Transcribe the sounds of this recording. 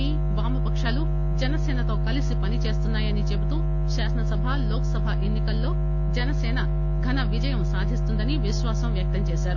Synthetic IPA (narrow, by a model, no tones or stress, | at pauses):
i | baːmɐpɐkʂaːlu | d͡ʒɐnɐsɛːnɐt̪o̞ːkɐlisipɐnit͡ʃe̞ːst̪unːaːjɐnit͡ʃebut̪uː | ʃaːsɐnɐsɐbʱaːloːkɐsɐbʱaːʔenːikɐlːo̞ː | d͡ʒɐnɐsɛːnɐ | ɡʱɐnɐʋid͡ʒɐjɐmsaːd̪ʱist̪und̪ɐniʋiʃʋaːsɐmʋjɐk̚t̪ɐmt͡ʃeːʃaːɾu